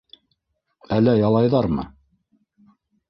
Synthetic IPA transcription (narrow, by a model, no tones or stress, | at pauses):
ælːæjɑlˠɑjðɑɾmɤ̰